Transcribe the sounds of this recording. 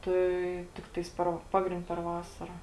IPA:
ˈtɐɪ ˈtʲɪktɐɪs pʲɛr ˈpɑːɡrʲɪnʲtʲ pʲɛr ˈʋɑːsɐrɐ

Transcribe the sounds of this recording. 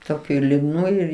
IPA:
toːˈkʲuː ɪr lʲʊdˈnuː ɪr

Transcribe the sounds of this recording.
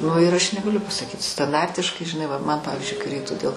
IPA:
ˈnʊ ɪr ˈɐʃ nʲɛɡɐˈlʲʊ pɐsɐˈkʲiːt stɐnˈdɐrʲtʲɪʃkɐɪ ʒʲɪˈnɐɪ ʋɐ ˈmɐn ˈpɑːʋʲɪzʲd͡ʒʲʊɪ kɐɪ ˈrʲɛɪktʊ dʲeːlˠ

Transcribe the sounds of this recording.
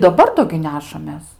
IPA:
dɐˈbɐr ˈdoː ɡʲɪ ˈnʲæːʃɐmʲeːs

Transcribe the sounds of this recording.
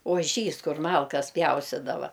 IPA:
oːˈʒʲiːs ˈkʊr ˈmɐlˠkɐs ˈpʲjɛʊsʲtʲɪdɐʋɐ

